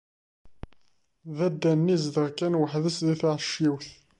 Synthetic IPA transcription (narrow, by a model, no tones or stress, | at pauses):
ðæd̪ːænːizd̪əʁkːænwəħðəsðiθaʁʃːiwθ